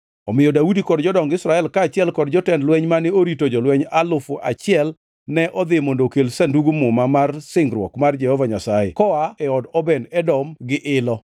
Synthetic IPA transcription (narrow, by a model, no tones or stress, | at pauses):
ɔmɪjɔdaudikɔdd͡ʒɔdɔŋɡɪsɾaɛlkaːt͡ʃɪɛlkɔdd͡ʒɔtɛndlwɛɲmanɪoɾitod͡ʒɔlwɛɲalʊfʊʔa̰t͡ʃɪɛl | nɛʔɔd̪ɪmondokelsanduɡumʊmamarsɪŋɡɾwɔ̰kmard͡ʒɛhɔvaɲasajɛ̰kɔaɛɔdɔbɛnɛdɔmɡɪʔɪlɔ